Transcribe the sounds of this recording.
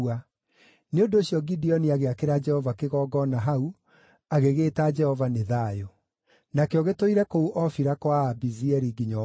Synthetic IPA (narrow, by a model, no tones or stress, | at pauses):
a | neondoɕjɔɡidiɔniaɣeakeɾad͡ʒɛhɔvakeɣɔːɡɔnaɦau | aɣeɣeːtad͡ʒɛhɔvaneðajo | nakeɔɣetoiɾɛkouʔɔfiɾakwabiziɛɾiɡiɲɔ